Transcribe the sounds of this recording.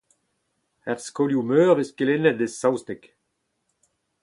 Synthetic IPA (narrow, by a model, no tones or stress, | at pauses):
ɛʁskɔljumøːʁveskelenɛd̪esawst̪ɛk